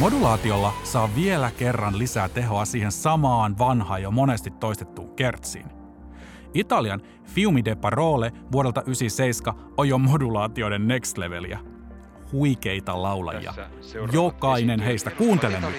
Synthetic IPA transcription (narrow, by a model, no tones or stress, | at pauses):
mo̞dulɑːt̪io̞lːɑsɑːʋie̞læke̞rːɑnlisæːt̪e̞ɦo̞ɑsiːhe̞nsɑmɑːnʋɑnhɑːjomo̞ne̞st̪it̪ːo̞ist̪et̪ːuːke̞rt̪sḭːn | it̪ɑliɑn | fiumidepːɑro̞ːleʋuoɾet̪ɑʔysise̞ijskɑ | ojjomo̞dulɑːt̪io̞de̞nːe̞kst̪le̞ʋe̞̰lḭæ̰ | huike̞jt̪ɑlɑwlɑ̰jḭɑ̰ | jokɑine̞nɦe̞ist̪ækuːnt̪e̞le̞mɑ